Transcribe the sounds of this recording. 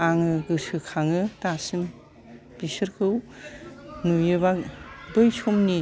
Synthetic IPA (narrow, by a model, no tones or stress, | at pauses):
aŋɯɡɯsɯkʰaŋɯtasɯm | pisɯɾkʰɯw | nujɯβadojsʰɔmni